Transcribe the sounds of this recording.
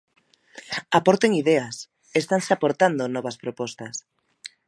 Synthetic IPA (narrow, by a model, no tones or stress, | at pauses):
apoɾt̪eŋiðɛas | est̪anseapoɾt̪and̪onɔβɐspɾopɔst̪ɐs